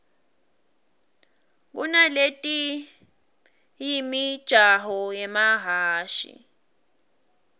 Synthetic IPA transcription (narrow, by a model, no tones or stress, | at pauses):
k̬ṵnaletʼi | jimid̥ʒ̥ʱaɦɔjɛmaɦaːʃḭ